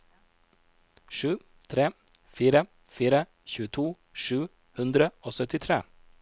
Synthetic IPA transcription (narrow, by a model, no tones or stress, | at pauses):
ʂʉː | t̪ʰɾeː | fiːɾə | fiːɾə | çʉːət̪ʰuː | ʂʉː | hʉnd̪ɾəoːsœt̪ɪt̪ʰɾḛː